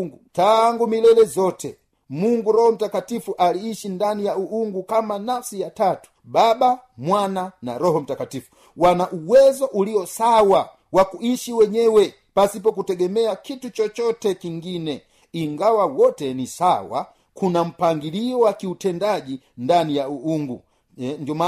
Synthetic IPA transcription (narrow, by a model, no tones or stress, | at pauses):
utaŋɡumilɛlɛzɔtʰɛ̰ | muŋɡuɾɔhɔm̩takatifuʔaliiʃindanijauuŋɡukamanafsijatatu̥ɓaɓamwanana̰ɾɔɦɔm̩takatifu̥ | wanaʔuwɛzɔʔuliɔsawa | wakuiʃiwɛɲɛwɛ | pasip̬ɔkutɛɡɛmɛakitut͡ʃɔt͡ʃɔtɛkiŋɡinɛ | iŋɡawawɔtɛnisawa̰ | kunam̩paŋɡiliɔwakiutɛndaʄi | ndanijauuŋɡu | ɲdɔma